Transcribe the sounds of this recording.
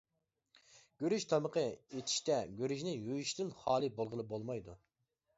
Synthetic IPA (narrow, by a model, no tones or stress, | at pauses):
ɡ̥ʲøɾyʃt̪ʰɑməqʰəet̪ʰi̥ʃt̪ɛɡʲøɾyʃnɪjojyʃt̪ɪnχɑːlˠɨbolˠʁəlˠɨbolˠmɑjd̪ṵ